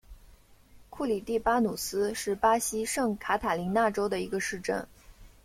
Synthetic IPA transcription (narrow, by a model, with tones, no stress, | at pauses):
kʰu˥˩li˨˩t̪i˥˩pa˥nu˨˩sɹ̩˥ʂɻ̩˥˩pa˥ɕi˥ʂɤ˥˩ŋkʰa˧˥t̪ʰa˨˩li˧˥na˥˩ʈ͡ʂo˥ʊd̪ə˨i˧˥ɡə˧ʂɻ̩˥˧ʈ͡ʂə̰˥˩n